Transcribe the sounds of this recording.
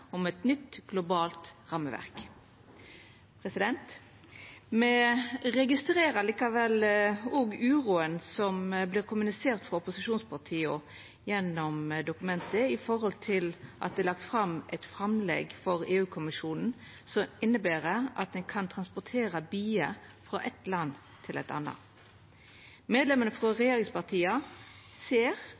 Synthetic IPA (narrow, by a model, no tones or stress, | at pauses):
ɔmɛt̪nʏt̪ɡ̥lʊbɑːlt̪ʁɑməʋæ̰ʁk | pʰʁɛsɪd̪ɛnt̪ | mɛɾɛɡɪst̪ɾeːɾəliːkɑʋɛloɡʉːʁuːənsɔmblɪːɾkʰʊmʉnɪseːʁt̪fʁɑʊpʊsɪʃuːnspʰɑʁt̪ʰiːɔ | jɛnːɔmd̪ʊkʉmɛnt̪əɪfɔɾhɔlt̪ʰɪlʔɑ̰t̪̚d̪ɛːlɑk̚t̪fʁɑmʔɛt̪fɾɑmlɛ̰ɡfɔɾeːʉːkʰʊmɪʃuːnn̩ | sɔmɪnːəbæːɾəɑ̰t̪̚d̪ɛnkʰɑnt̪ʰʁɑnspʊt̪ʰeːɾɑbyːəfɾɑ̰ʔɛt̪lɑnː | t̪ʰɪlɛt̪ɑ̰nɑ̰ | meːd̪lɛmənəfʁɑʁɛjeːɾɪŋspɑʁt̪ʰiːɑseːʁ